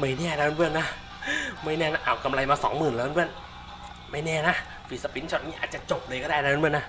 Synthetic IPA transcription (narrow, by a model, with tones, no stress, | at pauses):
ma˥˩jnɛː˥˩na˧˩˧o˧nbʰɯ˥˩ənːa˦˥˩ | ma˥˩jnɛː˥˩na˦˧˥ʔaː˨˩ka˧mla˧jmaː˧sɔ̰ː˩˦ŋmɯː˨˩nlːbɯ˥˩ən | ma˥˩jnɛː˥˩na˦˥ | fiː˨˩sa˧pi˨˦˥nt͡ɕʰɔ˧˩niː˧˥ʔaː˨˩t̪̚t͡ɕa˨˩t͡ɕo˨˩p̚lɤː˧jkɔː˥˩daː˥˩jna˧˨bɯ˥˩əna˦˥